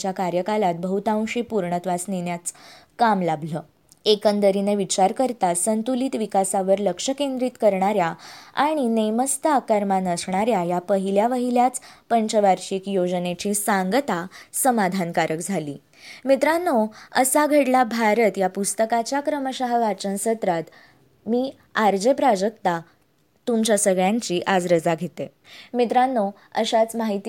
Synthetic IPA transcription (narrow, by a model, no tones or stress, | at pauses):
t͡ɕjakaɾjəkalat̪̚bəɦut̪ãw̃ɕipuɾɳət̪ʋasnenjat͡s | kamlabləː | ekənd̪əɾineʋit͡ɕaɾkəɾt̪asənt̪uliːt̪ʋikasaʋəɾləkʂəkend̪ɾiːt̪kəɾɳaɾjaa̰ɽ̃inəjməst̪akəɾmanəsɳaɾjajapəɦiljaʋəɦiljat͡spəɲt͡ɕəʋaɾɕikjod͡ʑənet͡ɕisaŋɡət̪asəmad̪ʱankaɾəkd͡zʱalḭː | mit̪ɾanːoəsaɡʱeʈlabʱaɾət̪japust̪əkat͡ɕjakɾəməɕaɦəʋat͡ɕənsət̪ɾat̪ | miː | aɾd͡ʑepɾad͡ʑək̚t̪a | t̪umt͡ɕjasəɡɭjãɲt͡ɕiːʔad͡zɾəd͡zaɡʱet̪e | mit̪ɾanːo | əɕat͡smaɦit̪